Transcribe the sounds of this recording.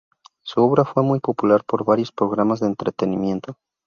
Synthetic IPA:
suo̞βɾafwe̞mujpo̞pulaɾpo̞ɾβaɾjo̞spɾo̞ɣ̞ɾamazðeːnt̪ɾe̞t̪e̞nimje̞nt̪o̞

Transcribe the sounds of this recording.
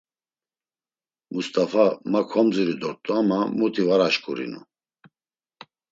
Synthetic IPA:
must̪ʼafamakʰɔmd͡ziɾid̪ɔɾt̪ʼuamamut̪ʰivaɾaʃkʼuɾḭnṵ

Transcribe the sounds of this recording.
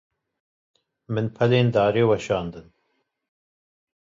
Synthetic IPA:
mɨnpʰɐleːnd̪ɑːɾeːwɐʃɑːnd̪ɨn

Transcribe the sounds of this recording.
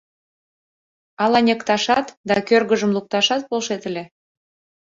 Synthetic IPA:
ɑlɑnʲekt̪ɑʃɑt̪d̪ɑkørɣəʒəmluk̚t̪ɑʃɑt̪̚polʃet̪əlʲe

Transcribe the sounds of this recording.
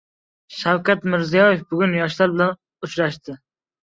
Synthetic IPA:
ʃawkʲɛt̪mɪɾzijɒjɪfbʊɡʲynjɒʃlaɾbɪlɛn | ut͡ʃɾaʃt̪ʰɪ

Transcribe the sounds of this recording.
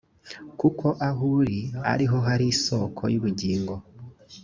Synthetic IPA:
kukʰo̞ʔaɦuɾia̰ɾiɦo̞ɦaɾiso̞ːkʰo̞̰juβuɟiːŋɡo̞

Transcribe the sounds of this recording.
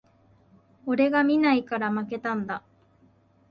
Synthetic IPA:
oɾe̞ɡamʲinaikaɾamake̞t̪ãnd̪a

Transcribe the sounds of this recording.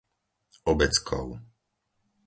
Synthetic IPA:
ɔbɛt͡skʰɔ̰ʊ

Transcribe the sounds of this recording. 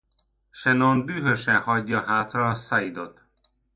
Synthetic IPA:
ʃɛnonbyːɦøʃɛnhɒɟːɒɦaːt̪rɒːsaid̪o̞t̪

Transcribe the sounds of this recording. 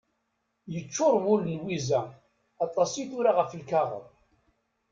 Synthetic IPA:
jət͡ʃːʊɾˤwʊlnwizæ | ɑt̪ˤːɑsiθʊɾaʁəflkaʁə̰ðˤ

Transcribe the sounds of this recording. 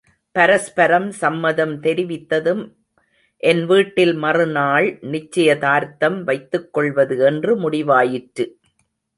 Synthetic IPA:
pɐɾɐspɐɾɐmsɐmːɐðɐmt̪ɛɾɪʋɪt̪ːɐðɯm | ʔɛnʋiːʈːɪlmɐrɯnaːɭnɪt͡ʃːɐjɐt̪aːɾt̪ɐmʋɐɪt̪ːɯkːɔɭʋɐðɯɛndrɯmʊɽɪʋaːjɪʈɾɯ

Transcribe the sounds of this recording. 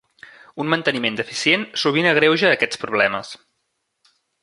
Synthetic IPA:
unmənt̪ənimend̪əfisiensuβ̞inəɣ̞ɾewʒəːkɛt͡spɾuβ̞lɛməs

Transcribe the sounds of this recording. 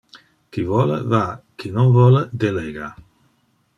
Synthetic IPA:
kivɔlə̰vakʰinɔŋvɔləd̪eleɡa

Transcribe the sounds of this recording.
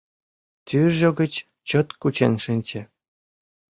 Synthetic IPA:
t̪yʒɤ̆ɡə̆t͡ɕ | t͡ɕŏt̪kut͡ɕenʲʃinʲt͡ɕĕ

